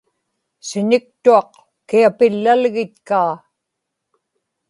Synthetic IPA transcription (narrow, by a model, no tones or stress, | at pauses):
sɪɲɪk̚t̪uɑq | kiapɪlːalɣɪt̪̚kaː